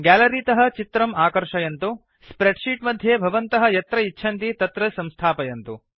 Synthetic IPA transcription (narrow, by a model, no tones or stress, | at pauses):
ɡæːlɐɾiːt̪ɐɦɐ̆t͡ʃit̪ɾɐmaːkɐɾʂɐjɐnt̪u | sspɾeɖʂiːʈmɐd̪ʱjeːbʱɐʋɐnt̪ɐɦɐ̆jɐt̪ɾɐitːʃʰɐnt̪it̪ɐt̪ɾɐsɐmst̪ʰaːpɐjɐnt̪u